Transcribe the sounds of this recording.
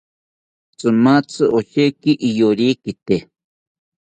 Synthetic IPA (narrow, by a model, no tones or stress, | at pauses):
t͡sɨmat͡sɨʔoʃekiʔijoɾikit̪e